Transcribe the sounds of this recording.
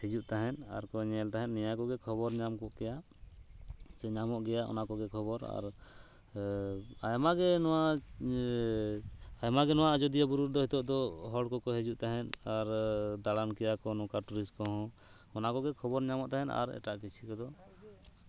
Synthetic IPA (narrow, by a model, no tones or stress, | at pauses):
hɛd͡ʒuʔt̪aɦɛna̰ɾkɔɲɛlt̪aɦɛnnɛjakɔɡɛkʰɔbɔɾɲamkɔʔkɛjaʔ | t͡ʃɛɲamɔʔɡɛjaʔɔ̰nakɔɡɛkʰɔbɔɾa̰ɾ | ajmaɡɛnɔwaʔ | ajmaɡɛnɔwaʔd͡ʒɔd̪ijabuɾuɾd̪ɔhit̪ɔʔd̪ɔɦɔɽkɔkɔɦɛd͡ʒuʔt̪aɦɛnaɾd̪aɽankɛjakɔnɔ̃kaɾʈuɾiskɔɦɔ̃ | ɔnakɔɡɛkʰɔbɔɾɲamɔʔt̪aɦɛna̰ɾɛ̰ʈaʔkit͡ʃʰikɔd̪ɔ